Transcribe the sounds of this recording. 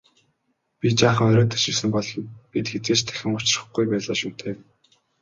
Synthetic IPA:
pʲit͡ɕaːχə̆ŋœɾʲɔːt̪ʰḁʃɪ̆wsɘ̆mpɔɮɞ̆npit̪xet͡sɡeːt͡ɕt̪ʰæ̥xʲɪ̆ŋʊt͡ɕɪ̆rə̥̆χɡujpæːɮaːʃuːt̪ʰeː

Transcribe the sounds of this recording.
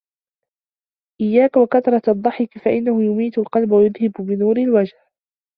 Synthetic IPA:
ʔɪjːaːkwakat̪ɾˤɑt̪ʔɑd̪ˤːɑħɪkfaʔɪnːahʊjʊmiːt̪alqɑlbawajʊðhɪbʊbɪnuːɾɪlwad͡ʒh

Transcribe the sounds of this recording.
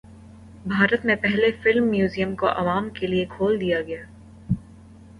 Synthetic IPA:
bʱaːɾət̪mẽpɛɦlefɪlmːjuːzijəmkoʔɐ̰ʋaːmkeliekʰoːld̪ijaɡɐjaː

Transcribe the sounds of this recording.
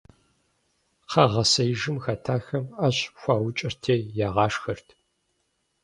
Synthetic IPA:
qʰɐʁɐsɐjʒɨmxɐtʰaːxɐmɐɕxʷɑːwʊt͡ʃʼɐrtʰeːjaːʁɑːʂxɐrtʰ

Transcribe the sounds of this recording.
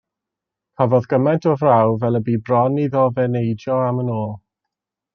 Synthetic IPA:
pʰavɔðɡəmɛntʰɔvrawvɛlˠəbiːbrɔniðɔvɛnejd͡ʒjɔamənoːlˠ

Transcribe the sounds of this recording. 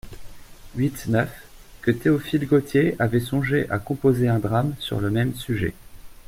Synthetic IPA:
ɥit̪nœf | kət̪eɔfilɡot̪jeavɛsɔ̃ʒeʔakɔ̃pozeɛ̃d̪ʁamsy̰ʁləmɛmsyʒɛ̰

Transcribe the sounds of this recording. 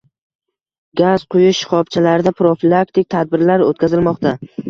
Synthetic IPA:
ɡʲaz̥qʰʊjʊʃχɒpt͡ʃʰalaɾɪd̪apɾofilˠak̚t̪ɪk̚ʲt̪ʰad̪̚bɪɾlaɾo̰t̪̚kʲazɪlmɒqt̪a

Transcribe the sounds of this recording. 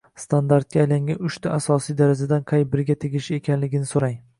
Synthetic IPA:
st̪ʰand̪aɾt̪̚kʲaːjlaŋɡʲanʊʃt̪ʰaasɒsijd̪aɾad͡ʒad̪anqʰɑjbɪɾɡʲat̪ʰeɡʲɪʃɪe̞kʲʰanlɪɡʲɪnɪsoɾaŋ

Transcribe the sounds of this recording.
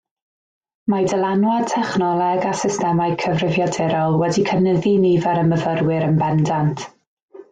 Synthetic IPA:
madəlˠanwad̚tʰɛχnɔlˠɛɡasɪstɛmajkʰəvrɪvjadɛɾɔlˠwɛdikʰənəðinivɛɾəməvəɾwɪɾənbɛndantʰ

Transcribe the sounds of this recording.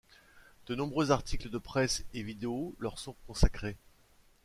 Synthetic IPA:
d̪̥ənɔ̃bʁøzaʁt̪ʰikləd̪əpχɛsevid̪eolœʁsɔ̃kɔ̃sakχe

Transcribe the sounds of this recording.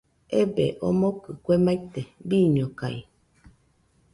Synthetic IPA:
ebeʔo̰mokɨkʷemait̪ebiːɲõkai

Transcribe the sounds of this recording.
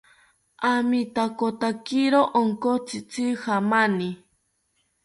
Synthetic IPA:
amit̪akot̪akiɾoʔoŋkot͡sit͡sihamani

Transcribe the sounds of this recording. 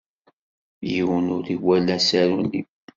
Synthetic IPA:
jiwənʊɾiwælːæsæɾuni

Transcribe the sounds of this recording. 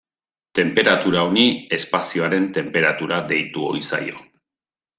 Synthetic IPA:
t̪e̞mpe̞ɾat̪uɾao̞nie̞spasio̞aɾe̞nt̪e̞mpe̞ɾat̪uɾad̪e̞jt̪uo̞̰isa̰jo̞̰

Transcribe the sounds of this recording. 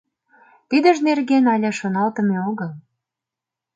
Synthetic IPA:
t̪id̪əʒnerɣenɑlʲɑʃonɑlt̪ə̆meoɣəl

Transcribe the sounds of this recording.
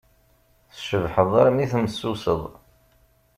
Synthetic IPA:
θʃəvħəðˤaɾmiθmsːusəðˤ

